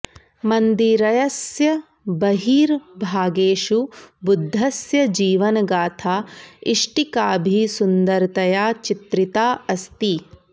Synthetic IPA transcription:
mɐnd̪iɾɐjɐsjɐ | bɐɦiːɾbʱaːɡeːʃubud̪ʱːɐsjɐd͡ʒiːʋɐnɐɡaːt̪ʰaːiʂʈikaːbʱisund̪ɐɾt̪ɐjaːt͡ʃit̪ɾit̪aːɐst̪i

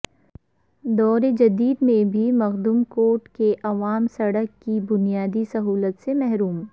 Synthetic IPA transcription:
d̪ɔːɾed͡ʒɐd̪iːd̪mẽbʱimɐxd̪umkoːʈkeʔɐʋaːmsɐɽəkːibʊnijaːd̪isɐɦuːlət̪semɛɦɾuːm

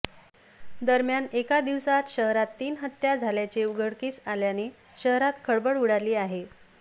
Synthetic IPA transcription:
d̪əɾmjanekad̪iʋsat̪ɕəɦɾat̪ːiːnɦət̪ːjad͡zʱaljat͡ɕeuɡʱəɽkiːt͡saljane | ɕəɦɾat̪kʰəɽbəɽuɽaliːaɦe

